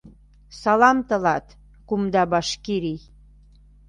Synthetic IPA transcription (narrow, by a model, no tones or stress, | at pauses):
sɑlɑmt̪ə̆lɑt̪ | kumd̪ɑbɑʃkiɾi